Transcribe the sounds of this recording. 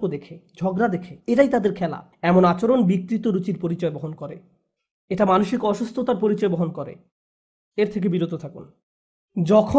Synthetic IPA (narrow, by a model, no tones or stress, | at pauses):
od̪ekʰed͡ʑʱɔɡɾad̪ekʰeeʈajt̪ad̪eɾkʰɛla̰ | ɛmonat͡ɕoɾonbik̚t̪ɾit̪oɾut͡ɕiɾpoɾit͡ɕɔebɔɦonkɔɾe | eʈamanoʃikɔʃust̪ʰot̪aɾpoɾit͡ɕɔeboɦonkoɾḛ | eɾt̪ʰek̬ebiɾot̪ot̪ʰakun | d͡ʑɔkʰo